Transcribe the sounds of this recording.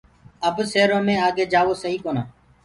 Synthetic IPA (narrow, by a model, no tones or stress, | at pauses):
əbseːɾõːmẽːaːɡeːd͡ʒaːʋoːsəɦiːkoːnaː